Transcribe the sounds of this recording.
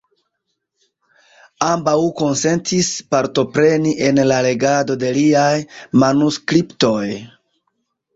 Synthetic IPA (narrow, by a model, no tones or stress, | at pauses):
ambawko̞nse̞ntʰispaɾto̞pɾe̞niʔe̞nlale̞ɡado̞de̞liajmanuskɾipto̞j